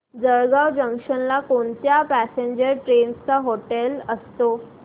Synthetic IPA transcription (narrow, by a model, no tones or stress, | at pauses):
d͡zəɾɡaʋd͡ʑəŋkʂənlakoɳt̪japæseɲd͡ʑəɾʈɾenst͡saɦoʈeləst̪o